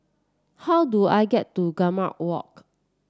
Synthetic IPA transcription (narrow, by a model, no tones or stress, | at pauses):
hawdua̰ɪɡɛtːuɡama̰wɔ̰k̚